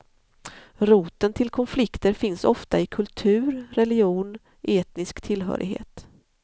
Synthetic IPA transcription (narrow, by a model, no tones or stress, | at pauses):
ɾuːt̪ənt̪ʰɪlkʰɔnflɪkt̪əɾfɪnsɔft̪aɪkʰɵlt̪ʰʉ̟ːɾɾɛlɪɡɪuːn | ʔeːt̪nɪskt̪ʰɪlɦœ̰ːɾʔɪ̰ɡɦḛːt̪